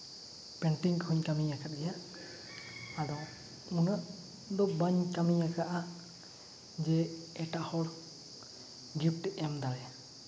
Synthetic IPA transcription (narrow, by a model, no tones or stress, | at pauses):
pɛɳʈiŋkʰuɲkamijakʰat̪̚ɛja | dɔ | unaʔ | d̪ɔbaɲkamijakʰaʔa | d͡ʒɛɛʈahɔɽ | ɡip̚ʈɛɛmd̪aɾɛa